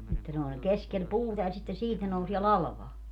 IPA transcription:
etːæ ne olʲ keskel puːtɑ jɑ sitːen siːt ne nousie lɑlɑ̆ʋɑː

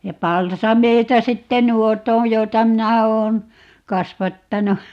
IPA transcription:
jɑ pɑlsɑmeitɑ sitːe nuot õː joitɑ minæ oːn kɑsʋɑtːɑnu

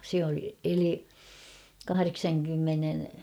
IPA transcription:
se ol eli kɑhɑreksɑŋkymːenen

